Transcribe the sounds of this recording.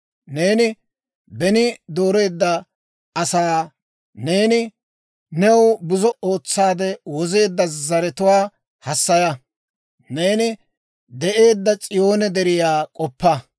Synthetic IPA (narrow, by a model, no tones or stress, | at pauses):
ne̞ːnɪ | bɛnɪd̪o̞ːɾe̞ːd̪ːɐ | ɐsaː | ne̞ːnɪ | nɛwbʊzɔo̞ːt͡sːaːd̪ɛwɔze̞ːd̪ːɐzɐɾɛt̪ʊwaː | hɐsːɐjɐ | ne̞ːnɪ | d̪ɛʔe̞ːd̪ːɐt͡sʼɪjo̞ːnɛd̪ɛɾɪjaːkʼɔpːɐ